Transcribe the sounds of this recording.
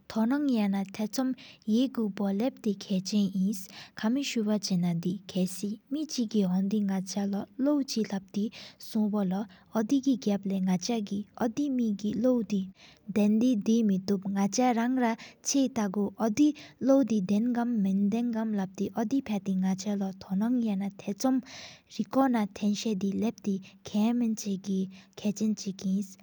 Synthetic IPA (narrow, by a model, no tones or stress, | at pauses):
t̪ʰɔnɔŋjanat̪ʰɛt͡sʰɔmjeɡupɔlɛp̚t̪ekʰɛːt͡ʃɛ̃jĩskʰamiʃupat͡ʃenad̪ikʰɛːsimit͡ɕiɡiɦɔnd̪iŋat͡ʃalɔlowt͡ɕilap̚t̪isɔ̃bɔlɔɔd̪iɡiɡaplɛŋat͡ʃaɡiʔɔd̪imiɡilowd̪i | d̪ɛnd̪id̪imit̪up̚ŋat͡ɕʰaɾaŋrat͡ɕʰeːt̪aɡuʔɔd̪ilowd̪id̪ɛnɡamːind̪ɛnɡamlap̚t̪iʔɔd̪ipʰɛt̪iŋat͡ɕʰalɔt̪ʰonaŋjanat̪ʰet͡sɔmɹikɔnat̪ʰɛnɕed̪ilɛp̚t̪ikʰɛːmint͡ɕeɡikʰɛːt͡ɕent͡ɕikins